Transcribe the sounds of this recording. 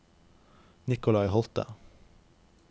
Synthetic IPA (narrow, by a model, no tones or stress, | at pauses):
nɪkʊlɑɪhɔlt̪ə̰